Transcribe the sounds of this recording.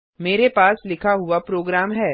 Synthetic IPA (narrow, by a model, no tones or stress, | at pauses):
meːɾepaːslɪkʰaɦʊapɾoːɡɾaːmɦɛː